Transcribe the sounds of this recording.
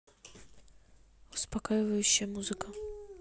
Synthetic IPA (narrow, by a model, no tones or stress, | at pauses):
uspakajɪvɐjuɕːɐmuzɨkɐ